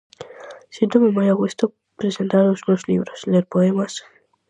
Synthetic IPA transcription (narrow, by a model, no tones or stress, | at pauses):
sid̪omemajaɣwuest̪o | pɾesent̪aɾosunoslḭβɾosleɾpoemas